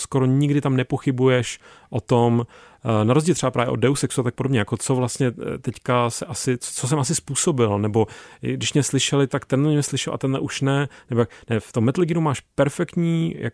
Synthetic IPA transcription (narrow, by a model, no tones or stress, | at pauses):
skoɾoɲɪɡdɪt̪amnɛpo̞xɪbujɛʃʔot̪o̞mnaɾozɟiːlt̪rɛbapɾaːvjɛ̰ʔod̚ɛusɛksuat̪ak̚podo̞bɲɛjako̞t͡sovlast̪ɲɛt̪ɛckasɛʔasɪt͡st͡sos̬ɛmʔas̬ɪspuːso̞bɪlnɛbo̞ɡdɪʃmɲɛslɪʃɛlɪt̪akt̪ɛnlɛmɲɛslɪʃɛlʔa̰t̪ɛnlɛ̰ʔuʃnɛnɛbojknɛft̪omːɛt̪lɡɪnumaːʃpɛɾfɛkt̪ɲiːja̰